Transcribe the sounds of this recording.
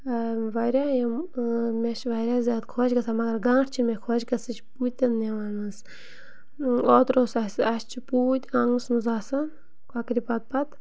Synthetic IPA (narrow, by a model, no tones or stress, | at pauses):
ʋɐɾʲaːjɐmmʲeʃʋɐɾʲaːzʲaːd̪kʰoːt͡ʃɡɐsaːmɐɡɐɾɡãːʈʰt͡ʃʰimekʰoːt͡ʃkɐsɨt͡ʃʰipuːt̪̚ʲt̪ʲɐnːeʋaːnɨs | oːt̪ɾoːsɐsɐst͡ʃʰipuːt̪ʲɐŋɨsmuzaːsɐn | kakɾipɐt̪̚pɐt̪